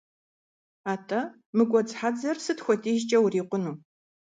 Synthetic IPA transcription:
aːtʰʼɐ | mɨɡʷʼɔd͡zħad͡zɐrsɨtxʷɔtʰʼiːʒt͡ʃʼɐwriːqʷʊnuː

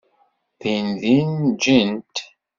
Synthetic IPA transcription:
θinðind͡ʒint̪

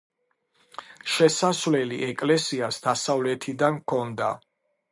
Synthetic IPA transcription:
ʃɛsasvlɛliʔɛkʼlɛsiasd̪asavlɛt̪ʰid̪ankʰɔnd̪a̰

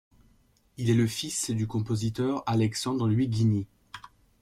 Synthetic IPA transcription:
ilɛləfisd̪ykɔ̃pozit̪œʁalɛksɑ̃d̪ʁəlɥiɡʲine

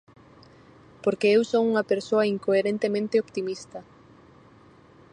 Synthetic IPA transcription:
poɾkeewsoŋuŋɐpeɾsoɐiŋkoeɾẽnt̪emẽnt̪eopt̪imist̪ɐ

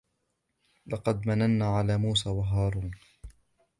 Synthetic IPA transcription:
lɑqɑd̪mananːaːʕalaːmuːsaːwaɦɑːɾˤuːn

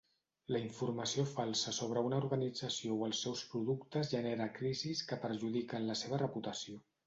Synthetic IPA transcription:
ləiɱfuɾməsiofalˠsəsoβ̞ɾəunəuɾɣənid͡zəsiowəlˠsːɛwspɾuðukt̪əzʒəneɾəkɾiziskəpəɾʒuðikənləseβ̞ərəput̪əsio

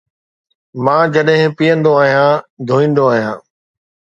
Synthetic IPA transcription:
mãːd͡ʑɐɗɦɪ̃pijə̃nd̪oaːɦijãːd̪ʱoːĩːn̆d̪oaːɦijãː

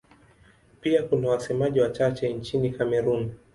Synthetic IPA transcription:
piakunawasɛmaʄiwat͡ʃat͡ʃɛnt͡ʃinikamɛɾun

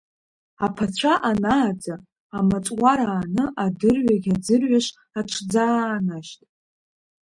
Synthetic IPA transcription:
apʰat͡ɕʷʰaʔanaːd͡zaː | mat͡sʷʼwaɾaːnɨʔadɨrɥaɡʲad͡zɨrɥaʂ | aʈ͡ʂʷʰd͡zaːnaʃtʼ

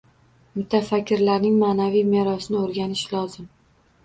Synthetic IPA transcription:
mʊt̪ʰafakʲʰːɪɾlaɾnɪŋmaːnavijme̞ɾɒsɪnɪoɾɡʲanɪʃlɒzɪm

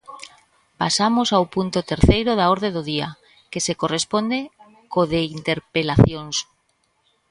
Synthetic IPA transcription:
pasamosawpunt̪ot̪eɾθejɾoðaoɾðeðoð̞ia̰ | kesekorespond̪e | koðeint̪eɾpelaθjons

